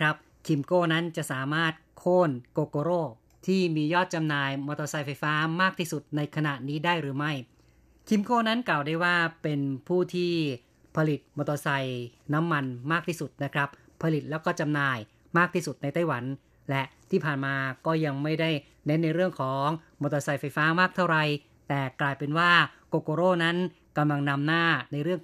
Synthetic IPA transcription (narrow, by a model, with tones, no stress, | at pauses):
kʰɾa˦˥p̚ | kʰi˧mkoː˥˩na˦˥nt͡ɕa˨˩ʔsaː˩˦maː˥˩t̪̚kʰoː˥˩nkoː˧koː˧ɾoː˥˩ | t̪ʰiː˥˩miː˧jɔː˥˩t̪̚t͡ɕa˧mnaː˧jmoː˧t̪o˧sa˧jfa˧jfaː˦˥maː˥˩k̚t̪ʰiː˥˩su˨˩t̪̚na˧jkʰa˧na˨˩ʔniː˦˥daː˥˩jɾɯː˩˦ma˥˩j | kʰi˧mkoː˥˩na˦˥nklaː˨˩wdaː˥˩jwaː˥˩pe˧npʰuː˥˩t̪ʰiː˥˩ | pʰa˧li˨˩t̪̚moː˧t̪oː˧sa˧jna˦˥mːa˧nmaː˥˩k̚t̪ʰiː˥˩su˨˩t̪̚na˦˥kʰɾa˦˥p̚ | pʰːa˧li˨˩t̪̚lɛː˦˥wkɔː˥˩t͡ɕa˧mnaː˧j | maː˥˩k̚t̪ʰiː˥˩su˨˩t̪̚na˧jt̪a˥˩jwa˩˦n | lɛ˦˥ʔt̪ʰiː˥˩pʰaː˨˩nmaː˧kɔː˥˩ja˧ŋma˥˩jda˥˩j | ne˦˥nːa˧jɾɯ˥˩əŋkʰɔː˩˦ŋmoː˧˩t̪ɔ˧sa˧jfa˧jfaː˦˥maː˥˩k̚t̪ʰa˥˩wɾa˧j | t̪ɛː˨˩klaː˧jpe˧nwaː˥˩koː˧koː˧ɾoː˥˩na˦˥n | ka˧mla˧ŋna˧mnaː˥˩na˧jɾɯ˥˩əŋ